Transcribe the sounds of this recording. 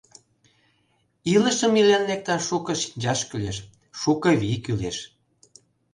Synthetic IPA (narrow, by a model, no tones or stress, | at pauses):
ilə̆ʃə̆milænlek̚t̪ɑʃukɤ̆ʃi̥nd͡ʑɑʃkyleʃ | ʃukɤ̆βikylḛʃ